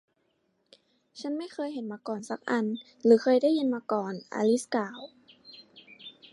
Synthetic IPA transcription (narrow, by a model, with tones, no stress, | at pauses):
t͡ɕʰa˦˥nma˥˨jxɤː˧jhe˨˩˦nmaː˧kɔː˨˩nsa˧˦k̚ʔa˧n | lɯː˨˦xɤː˧jda˥˨jːi˧nmaː˧kɔː˨˩nʔa̰ː˧li˦˥skaː˨˦w